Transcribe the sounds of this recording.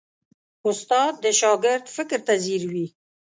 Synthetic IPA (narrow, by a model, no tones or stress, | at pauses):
ʊst̪ɑd̪̚ːəʃɑɡɪɾd̪fɪkɾt̪aziɾwi